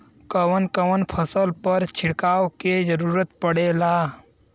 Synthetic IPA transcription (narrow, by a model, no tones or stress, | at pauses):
kəwənkəʋənpʰəsəlpəɾt͡ʃʰɪɽkaːwked͡ʒəɾuːɾət̪pəɽeːlaː